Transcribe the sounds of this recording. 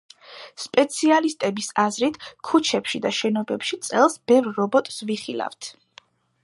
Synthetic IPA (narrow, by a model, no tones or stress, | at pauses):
spʼɛt̪sʰialist̪ʼɛbisazɾit̪ʰkʰut͡ʃʰɛpʃid̪aʃɛnɔbɛpʃit̪sʼɛlˠsb̥ɛvɾːɔbɔt̪ʼsviχilˠa̰vt̪ʰ